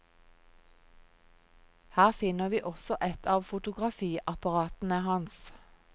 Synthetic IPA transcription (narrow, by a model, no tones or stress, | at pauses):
hæːʁfɪnəʋiːʔɔsɔʔɛt̪ʰɑːʋfʊt̪ʊɡʁɑfiːʔɑpɑʁɑːt̪n̩əhɑns